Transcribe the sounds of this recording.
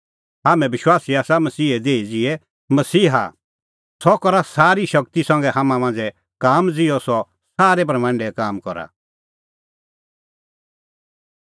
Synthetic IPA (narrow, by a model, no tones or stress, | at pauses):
ɦaːmɛ̃bɪʃwaːsiaːsamɐsiːɦɛd̪eːid͡zɪɛ | mɐsiːɦa̰ | sɔkɔɾasaːɾiʃɐk̚t̪isɐ̃ŋɡɛɦamãmãːnd͡zɛ | kaːmd͡zɪɔsɔ | saːɾɛp̬ɐɾmãːɳɖɛkaːmkɔɾa̰